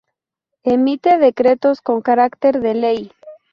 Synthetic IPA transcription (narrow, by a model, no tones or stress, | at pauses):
emit̪e̞ðe̞kɾe̞t̪o̞sko̞ŋkaɾakt̪e̞ɾðe̞lej